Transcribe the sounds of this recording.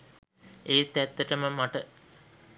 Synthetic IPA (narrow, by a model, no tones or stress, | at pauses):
eːt̪ːæt̪ːəʈəməmaʈə